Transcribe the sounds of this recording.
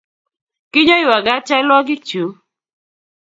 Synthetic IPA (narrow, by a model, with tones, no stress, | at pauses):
kɪ˦ɲɔ˦ɪ˦˨wa˨ɡa˦t͡ʃɛ˦lwɔ˦ɡɪ˦t͡ʃu˨˦